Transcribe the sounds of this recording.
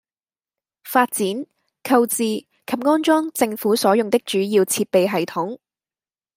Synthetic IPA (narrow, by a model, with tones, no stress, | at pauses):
faː˧t̚t͡siː˨˥n | kʰɐ˧wt͡siː˨ | kʰɐ˨p̚ŋɔː˥nt͡ʃɔː˥ŋt͡sɪ˧ŋfuː˨˥sɔː˨˥jʊ˨ŋt̪ɪ˥k̚t͡ʃyː˨˥jiː˧wt͡sʰiː˧t̚pe˨jɦɐ˨jt̪ʰʊ˨˥ŋ